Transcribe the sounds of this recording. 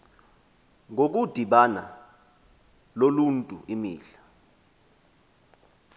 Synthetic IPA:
ŋʱok̬ud̥ʱiɓana̰ | loluntʼuʔimiːɬḁ

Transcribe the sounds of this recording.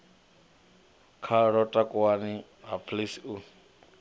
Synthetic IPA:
kʰaɺɔtʼakʼuwani | ɦapʰlisun

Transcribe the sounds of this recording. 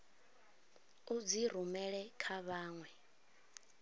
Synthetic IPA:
ud͡ziɾ̤umɛɺɛkʰaβaːŋwɛ

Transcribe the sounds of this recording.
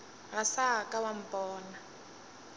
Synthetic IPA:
ɣasakʼawam̩pʼɔːna

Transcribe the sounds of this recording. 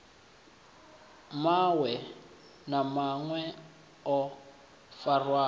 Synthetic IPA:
mawɛ | namaŋwɛ | ɔ | farwaː

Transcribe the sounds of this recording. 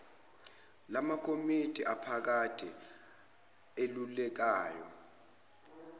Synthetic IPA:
lamakʰʼomitʰʼiʔapʰak̬atʰi | elulɛk̬aːjɔ̰

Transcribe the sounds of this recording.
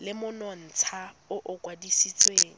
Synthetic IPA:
lɪmʊnɔn̩ːt͡sʰa | ʊʔʊkʼwadisit͡sʼweːŋ̩

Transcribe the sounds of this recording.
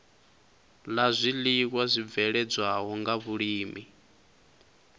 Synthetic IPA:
lazʷilik̬wazʷib̪vɛɺɛd͡zwaɦɔŋɡaβuɺiːmi

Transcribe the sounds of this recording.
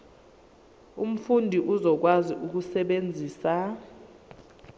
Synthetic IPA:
um̩fundʱiʔuzɔk̬waziʔuk̬usɛɓend͡zʱiːsa

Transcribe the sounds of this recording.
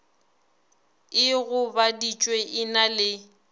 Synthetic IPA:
ɪɣʊbadit͡ʃʼweʔɪnalɪ

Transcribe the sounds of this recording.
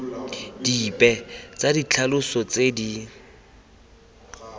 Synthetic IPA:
d̥ipʼɛt͡sadit͡ɬʰalʊsɔt͡sedi

